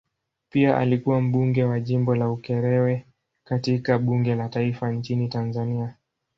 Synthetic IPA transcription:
piaʔa̰likuwam̩ɓuŋɡɛwaʄimbɔlaukɛɾɛwɛ | katikaɓuŋɡɛlataifant͡ʃinitanzania

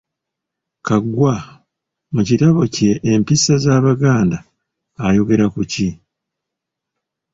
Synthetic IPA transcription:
kaɡːwa | mucitaβo̞ce̞ːmpisːazaːβaɡaːndaː | jo̞ɡe̞ɾakuci

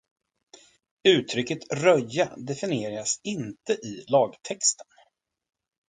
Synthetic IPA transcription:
ʉ̟ːt̪ʰɾʏkːət̪ɾœjːad̪ɛfɪnɪeːɾasɪnt̪əʔɪlɑːɡt̪ʰɛkst̪ə̥n

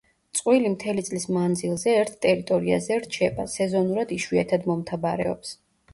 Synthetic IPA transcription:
t̪sʼqʼwilimt̪ʰɛlit̪sʼlismand̪zilˠzɛːɾt̪ʰt̪ʼɛɾit̪ʼɔɾia̰zɛɾt͡ʃʰɛba̰sɛzɔnuɾad̪iʃwiɛt̪ʰad̪mɔmt̪ʰabaɾɛ̰ɔ̰ps

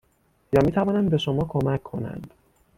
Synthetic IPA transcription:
jɒːmiːt̪ʰævɒːnæmbe̞ʃomɒːkʰo̞mæcʰːo̞̰næ̰nd̪̥

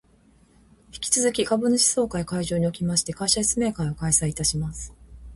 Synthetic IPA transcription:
çi̥kʲi̥t͡sɨzɨkʲikabɯ̟noɕi̥so̞ːkaikaiʑoːɲ̟io̞kʲimaɕi̥t̪e̞kaiɕaçi̥t͡sɨme̞ːkaiokaisaiit̪aɕimasɨ̥

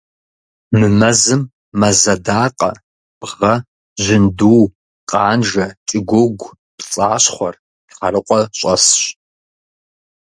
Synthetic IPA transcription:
mɨmɐzɨmː | ɐzɐdaːqʼɐ̰ | bʁɐ | ʒɪnduw | qʼɑːnʒɐt͡ʃʼɪɡʷʊɡʷ | pt͡sʼaːɕχʷɔr | χɐrɨqʷʼɔɕʷʼɐsɕ

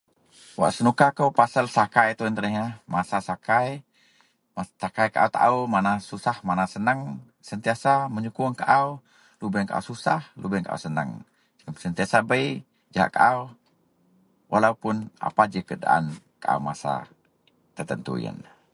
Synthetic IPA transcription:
wa̰ʔsənukakəwpasalsakajt̪uənt̪ənəɦɲamasasakaj | mat̪akajkaʔa̰wt̪a̰ʔumanasusahmanasənəŋ | sənt̪iasaməɲukuŋkaʔaw | lubɛŋkaʔa̰wsusahlubɛŋkaʔa̰wsənə̰ŋ | d͡ʒəsənt̪iasabəj | d͡ʒaa̰ʔka̰ʔaw | wʔalaupʊna̰pad͡ʒəkəda̰ʔa̰n | kaʔa̰wmasa̰ | t̪ərt̪ənt̪ṵḭə̰n

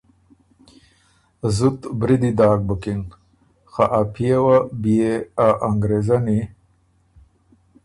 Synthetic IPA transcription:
zut̪bɾid̪id̪aːk̚bəkin | xaʔapʰijewabijeaʔaŋɡɾezani

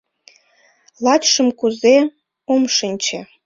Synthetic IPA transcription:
lˠɑt͡ɕʂə̆mkuze | omʂɤ̆nʲt͡ɕe

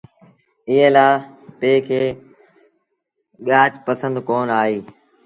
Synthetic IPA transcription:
ɪɦẽlaːpeːkʰeː | ɠaːt͡ʃpəsə̃nd̪koːnaːɦeː

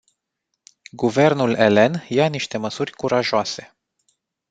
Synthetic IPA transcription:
ɡuve̞rnule̞le̞njaniʃt̪e̞məsurʲkuɾaʒoase̞̥

